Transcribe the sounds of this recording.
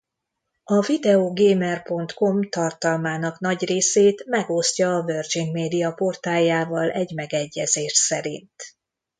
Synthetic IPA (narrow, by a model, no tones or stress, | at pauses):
ɒvid̪ɛoːɡeːmɛrpo̞nt̪ko̞mt̪ɒrt̪ɒlmaːnɒkn̪ɒɟreːseːt̪mɛɡo̞scɒːvø̞rd͡ʒiŋɡmeːd̪ijɒpo̞rt̪aːljaːvɒlʔɛɟmɛɡɛɟːɛzeːʃsɛɾḭnt̪